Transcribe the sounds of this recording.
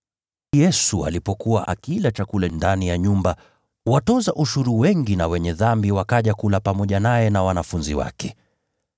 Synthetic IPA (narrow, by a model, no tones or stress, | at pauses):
jɛsua̰lipɔkuwa̰ʔa̰kilat͡ʃakulɛndanijaɲumba | watɔzaʔuʃuɾuwɛŋɡinawɛɲɛðambiwakaʄakulapamɔʄanajɛnawanafunziwa̰kɛ